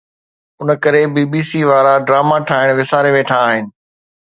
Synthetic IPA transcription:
ʊnəkɐɾebiːbiːsiːʋaːɾaɖɾaːmaʈʰaːɪɽ̃ʋɪsaːɾeʋeːʈʰaːɦɪnɪ̆

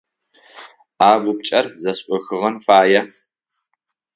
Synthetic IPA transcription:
aːʁʷʊp̚t͡ʃʼɐrzɐɕʼʔʼʷɔxɨʁɐnfaːjɐ

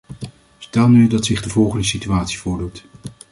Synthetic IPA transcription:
stɛlˠnydɑtsɪχdəvɔlˠχəndəsityaːtsi̥vʊːɹdut

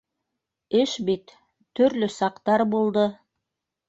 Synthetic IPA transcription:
ɘʃbit̪ː | ɵ̆ɾlɵsɑqt̪ɑɾbulˠd̪ɤ

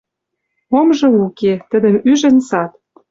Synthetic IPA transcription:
omʒɤ̆uket̪ə̆d̪ə̆myʒə̆nsɑt̪̚

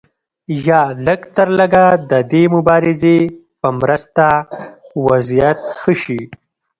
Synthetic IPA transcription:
jɑləɡt̪əɾləɡad̪əd̪emʊbɑɾɪze | pəmɾəst̪a | wazijat̪xəʃi

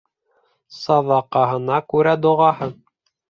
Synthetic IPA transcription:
sɑðɑqɑɦɤ̆nɑkʉɾæd̪ŏʁɑhɤn

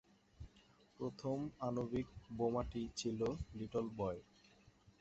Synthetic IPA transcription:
pɾot̪ʰomanobik̚bomaʈit͡ɕʰiloliʈolbɔe

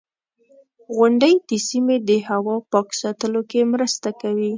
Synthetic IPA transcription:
ɣʊɳɖəjd̪̥əsimed̪əhawɑpɑksɑt̪əlokemɾəst̪akawi

